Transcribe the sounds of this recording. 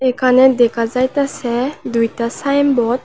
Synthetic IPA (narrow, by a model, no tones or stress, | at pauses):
ekʰaned̪ɛkʰazajt̪asɛd̪ujtasajmbɔt̪̚